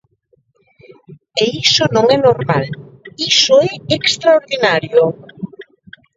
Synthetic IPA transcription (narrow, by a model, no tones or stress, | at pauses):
eisonõŋɛnoɾmalisoɛekst̪ɾaoɾðinaɾjo